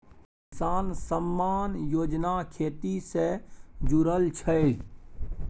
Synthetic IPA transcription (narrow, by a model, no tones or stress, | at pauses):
kɪsaːnsəmːaːnjoːd͡ʒnakʰeːt̪ised͡ʒʊɾəlt͡ʃʰəe